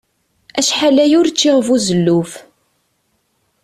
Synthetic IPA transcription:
æʃħalæjʊɾt͡sːiʁvuzəlːuf

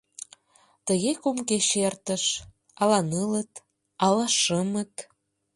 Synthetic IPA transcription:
t̪ə̆ɣekumkeʃert̪ə̆ʃ | ɑlɑnɯlə̆t̪ | ɑlɑʃəmət̪

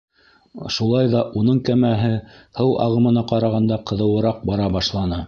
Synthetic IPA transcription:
ʃulˠɑjðɑʔunɤɴkæmæɦɘhɤwʔɑ̰ʁɤ̆mɤ̆nɑqɑɾɑʁɑnd̪ɑqɤ̆ðɤ̆wɤ̆ɾɑq̚bɑɾɑbɑʃlˠɑnɤ

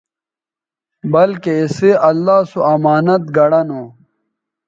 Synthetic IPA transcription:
bɐlkeiseɐlːaːsuɐmaːnɐt̪̚ɡɐɽɐnoː

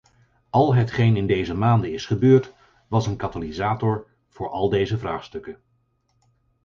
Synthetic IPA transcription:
ɑlˠɦətχejnɪndejzəmaːndənɪsχəbøːɹt | ʋɑsənkatalizaːtɔɹ | v̥ʊːɹʔɑlˠdejzəvraːχstɵkən

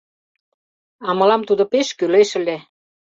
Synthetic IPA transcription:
ɑmə̆lɑmt̪ud̪ŏpeʃkyleʃə̆lʲe

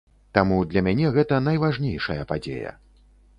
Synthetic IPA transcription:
t̪amud̪lʲɐmʲanʲɛɣɛt̪ɐn̪ɐjvaʐnʲejʂɐjɐpad͡zʲḛjɐ̰

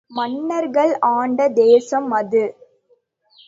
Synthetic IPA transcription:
mɐnːɐɾɣɐɭaːɳɖɐd̪eːsɐmːɐðɯ

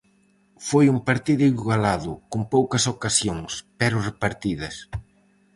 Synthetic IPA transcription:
fojumpaɾt̪iðʊiɣalaðʊkompowkɐsokasjoŋspɛɾʊrepaɾt̪iðɐs

